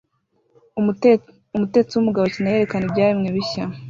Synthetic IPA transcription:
umute̞et͡siwumuɡaβocinaje̞ɾe̞kanibɟaːɾimŋeβiça

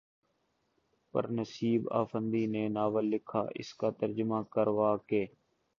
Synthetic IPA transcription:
pə̰ɾnəsiːba̰ːfə̃nd̪iːneːnaːʋəlːɪkʰa̰ːʔɪ̰skaːt̪əɾd͡ʒmaːkəɾʋaːkeː

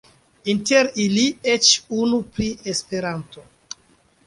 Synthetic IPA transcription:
inteɾiliet͡ʃunupɾiespe̞ɾanto

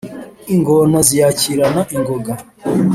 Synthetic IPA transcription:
iŋɡonazijaciɾanaʔiŋɡoɡa

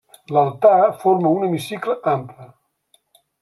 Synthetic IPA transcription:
lalˠt̪afoɾməunəmisikləʔamplə

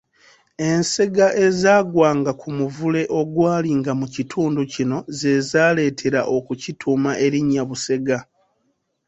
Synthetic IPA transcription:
e̞nse̞ɡaʔe̞zaːɡwaːŋɡakʰumuvule̞ʔo̞ɡwaːliŋɡamucitʰuːnducino̞ze̞zaːle̞ːtʰe̞ɾaʔo̞kucitʰumaʔe̞ɾiɲːaβuse̞ɡa

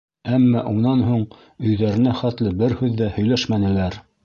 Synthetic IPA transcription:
æmːæʔunɑnɦuɴ | ɵ̆jðæɾɘ̆næχæt̪lɘbɘɾhʉðːæhɵ̆jlæʃmænɘ̆læɾ

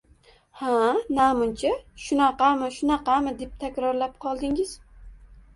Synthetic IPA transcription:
hanamʊnt͡ʃʰaʃʊnɑqɑmɪʃʊnɑqɑmɪd̪e̞p̚t̪ʰakʲɾɒɾlap̚qʰɒlˠd̪ɪŋɪz̥

